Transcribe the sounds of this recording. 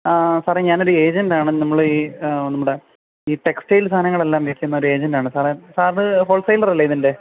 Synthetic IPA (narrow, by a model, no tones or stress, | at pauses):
saːreɲaːno̞ɾue̞ːd͡ʑɐndaːɳɨnɐmːɐɭɨiːnːɐmːuɽe | iːʈe̞kstejlst̪ʰaːnɐŋːɐɭe̞lːaːmʋekʲːunːɐo̞ɾue̞ːd͡ʑɐndaːɳɨsaːresaːrɨɦoːlsɐjlɐrɐlːɐiðinde̞